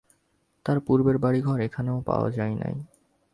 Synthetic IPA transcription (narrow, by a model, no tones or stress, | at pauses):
t̪aɾpuɾbeɾbaɽiɡʱɔɾekʰaneopa̰oa̰d͡ʑajna̰j